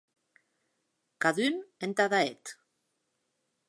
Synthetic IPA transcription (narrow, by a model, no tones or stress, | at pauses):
kaðynent̪aðaet̪